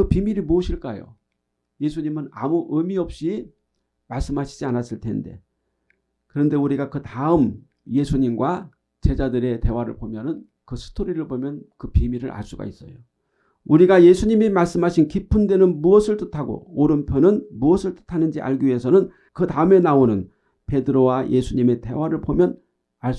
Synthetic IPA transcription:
kɯpimiɾimoʌɕʰiɭk͈ajo̰ | je̞sʰuɲimɯna̰muʔɯmiʌp̚ɕ͈i | maɭs͈ɯmɦaɕʰi̥d͡ʑianas͈ɯɭtʰe̞̰nde̞̰ | kɯɾʌnde̞uɾiɡakɯtaɯm | je̞sʰuɲimɡwa | t͡ɕe̞d͡ʑadɯɾe̞te̞waɾɯ̰ɭbomjʌnɯn | kɯsʰɯ̥tʰoɾiɾɯɭbomjʌnkɯpimiɾɯɾa̰ɭs͈uɡa̰is͈ʌ̰jo | uɾiɡaje̞sʰuɲimimaɭs͈ɯmɦaɕʰinkipʰundwe̞nɯnmuʌsʰɯɭtɯtʰaɡo̰oɾɯnpʰjonɯnmuʌsʰɯɭtɯ̥tʰanɯnd͡ʑiʔa̰ɭɡiɥie̞sʰʌnɯn | kɯtaɯme̞naonɯn | pe̞dɯɾowajʔe̞sʰuɲime̞te̞̰waɾɯɭbomjʌn | aɭs

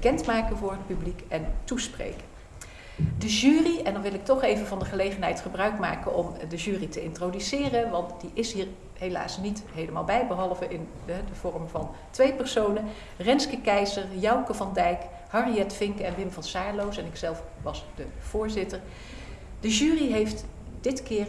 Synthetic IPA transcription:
bəkɛntmaːkənvʊːɹɦət̚pyblikɛntusprḛjkə | dəʒyːriɛndɑnʋɪlˠɪk̚tɔχejvənvɑndəχəlejχənɦɛjtχəbrœɥkma̰ːkənɔmdəʒyːritəɪntrodysɪːrənʋɑntdiʔɪsɦiːɹ | ɦela̰ːsnitɦejləmaːlˠbɛjbəɦɑlˠvəʔɪn | ɛdəv̥ɔrmvɑ̰n | tʋejpɛɹsownə | rɛnskəkɛjzəɹjɑwkəvɑndɛjk | hɑriɛtfɪŋkɛnʋɪmvɑnsaːɹlowsɛnɪksɛlˠfʋɑsdəv̥ʊːɹzɪtəɹ | d̥əʒyːriɦejft | dɪtkɪːr

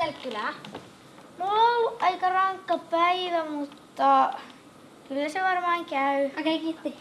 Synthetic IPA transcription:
elkylæ | mulːowɑikɑrɑŋkːɑpæiʋæmut̪ːɑ | kylːæseʋɑrmɑːŋkæyɑkæikit̪ːe

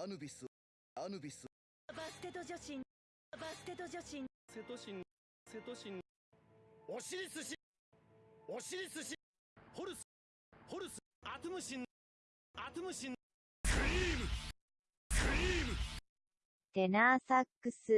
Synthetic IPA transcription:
anɯbʲisɨ | anɯbʲisɨ | bast̪et̪od͡ʑoɕĩn | basɨ̥t̪e̞t̪oʑoɕĩn | set̪oɕĩn | set̪oɕĩn | oɕiɾʲisɨɕi | oɕiɾʲisɨɕi | hoɾɯs | hoɾɯs | at̪ɨmɯ̟ɕĩn | at̪ɨmɯ̟ɕĩn | saɾʲiːmɯ | kaɾʲiːm | t̪enaːsakːɯ̟sɨ

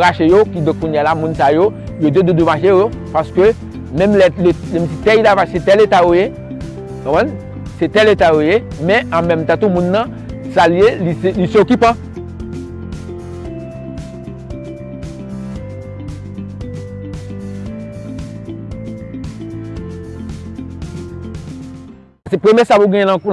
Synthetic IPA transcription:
aʃejokid̪ɔ̃kːuɲjalamũnsajojod̪ed̪ød̪ømaʃejo | paskø | mɛ̃mlɛleɛmsit̪ɛilavaset̪ɛlet̪ajoje | kɔ̃pɛ̃n | set̪ɛlet̪ajojemɛ̃ãmɛ̃mt̪ãt̪umũnːɐ̃ | salielilisokipã | sɛpemjɛsapuɡɛ̃jɛ̃lãk

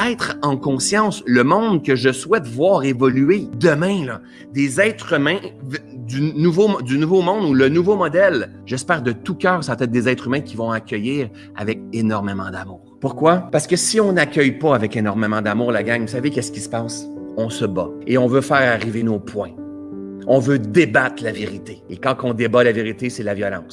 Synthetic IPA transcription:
ɛːt̪χɑ̃kɔ̃sjɑ̃ːsləmɔ̃d̪kəʒəswɛt̪vwɑːʁevɔlyed̪əmɛ̃lʌ | d̪ezɛːt̪χymɛ̃vd̪ynuvod̪ynuvomɔ̃d̪ulənuvomɔd̪ɛl | ʒɛspɛːʁd̪ət̪ukʲœːʁsapt̪ɛt̪̚d̪ezɛt̪χymɛ̃kʲivɔ̃akʲœjiːʁ | a̰vɛk̚enɔʁmemɑ̃d̪amuːʁpʊʁkwapaʁsə̥kəsiɔ̃nakʲœjpʌavɛkenɔʁmemɑ̃d̪amuːʁlaɡʲaŋvusavekɛskʲi̥sə̥pɑːsɔ̃səbaeɔ̃vøfɛːʁaʁivenopʰwɛ̃ | ɔ̃vød̪ebat̪laveʁit̪eekɑ̃kɔ̃d̪ebalaveʁit̪eselavjʌlɑ̃ːs

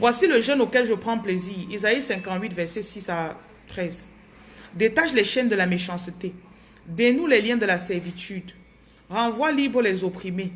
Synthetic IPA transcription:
vwasiləʒɛnokɛlʒəpχɑ̃pleziːʁezaisɛ̃kɑ̃t̪ɥit̪vɛʁsɛsisa | t̪χɛz | d̪et̪aʃlɛʃɛnd̪əlameʃɑ̃st̪e | d̪enulɛljɛ̃d̪əlasɛʁvit̪yd̪ | ʁɑ̃vwalibʁəlɛzopχime

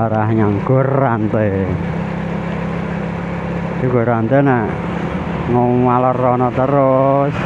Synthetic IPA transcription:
aɾahɲaŋɡ̥orant̪e | teɡoɾant̪enaʔ | ŋowalərɔnɔt̪əɾos

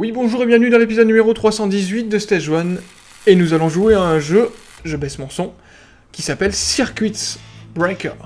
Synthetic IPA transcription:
wibɔ̃ʒuːʁebjɛ̃vnyd̪ɑ̃lepizɔd̪nymeʁot̪χwasɑ̃d̪izɥit̪̚d̪əst̪ɛʒwan | enuzalɔ̃ʒueɛ̃ʒø | ʒəbɛsmɑ̃sɔ̃ | kʲisapɛlsiʁkʲɥit̪bʁɛkʲə̰

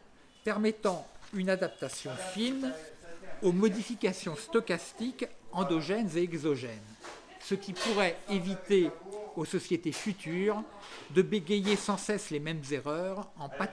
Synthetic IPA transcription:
pɛʁmɛt̪ɑ̃ynad̪ap̚t̪asjɔ̃fin | omɔd̪ifikʲasjɔ̃st̪ɔkast̪ikɑ̃d̪ɔʒɛnzeɛɡzɔʒɛn | səkʲipuʁɛevit̪eosɔsjet̪efyt̪yːʁ | d̪əbeɡʲejesɑ̃sɛslemɛmzeʁœʁɑ̃pa

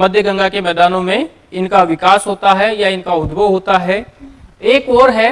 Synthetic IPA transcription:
mɐd̪ʱjəɡɐ̃ŋɡakemɛːd̪aːnõmẽ | ɪnkaʋɪkaːsɦoːt̪aɦɛjaɪnkaʊd̪bʱəɦoːt̪aɦɛ | eːkɔːɾɦɛ

